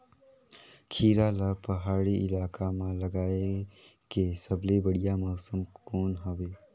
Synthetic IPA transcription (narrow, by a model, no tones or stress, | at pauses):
kʰiːɾalapɐɦaːɽiʔɪlaːkamãləɡaːekesəblebəɽijamɔːsəmkoːnɦoʋeː